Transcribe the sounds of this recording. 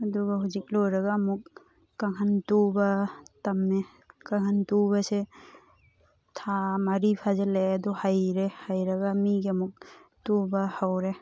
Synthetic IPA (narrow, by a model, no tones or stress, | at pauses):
ɐduɡaɦuzik̚lɔjɾaɡaːmuk̚ː | aŋɦantubatamːe | kaŋhantubase | tʰamaɾipʰazalejadɔhajɾehajɾaɡaːmiɡiɐmuk̚tubahawɾe